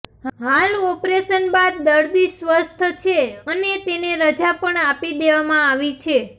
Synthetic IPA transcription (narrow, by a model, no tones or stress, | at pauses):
ɦalɔpɾeʃənbad̪̚ːəɾd̪isʋəst̪ʰət͡ʃʰeənet̪eneɾəd͡ʒapəɳapid̪eʋamãaʋit͡ʃʰe